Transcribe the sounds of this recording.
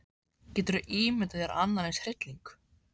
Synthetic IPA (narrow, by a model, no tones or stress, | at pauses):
cɛːt̪ʏɾʏʔiːmɪt̪ajaɾa̰nːaɾlejnshr̥ɪt̪liŋk